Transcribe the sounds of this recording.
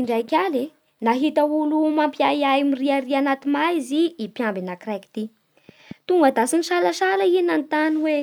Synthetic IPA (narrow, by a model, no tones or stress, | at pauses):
iɳɖ͡ʐajkʲale | naɦit̪aulumampjajajmiriaɾianat̪imajziipjambinakraki̥t̪i | t̪uŋɡəd̪asiniʃalaʃalainant̪aniwe